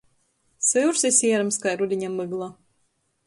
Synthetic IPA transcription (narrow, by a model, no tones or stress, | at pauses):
sɨuɾsɛsʲiɛɾamskajɾud̪ʲiɲamɨɡlˠa